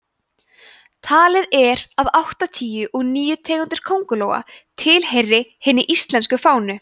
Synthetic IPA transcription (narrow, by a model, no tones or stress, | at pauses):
t̪ʰaːlɪðɛɾaðawht̪at̪ʰiːjʏʔɔɣniːjʏt̪ʰɛːɣʏnt̪ɪɾ̥kʰowŋkʏloːwɣa̰t̪ʰɪlhejrːɪhɪnːɪʔist̪lɛnskʏfaːwnʏ